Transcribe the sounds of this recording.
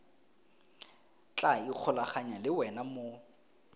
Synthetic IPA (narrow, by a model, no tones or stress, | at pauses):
t͡ɬʼaik͡xʰʊlaχaɲalɪwɛnamo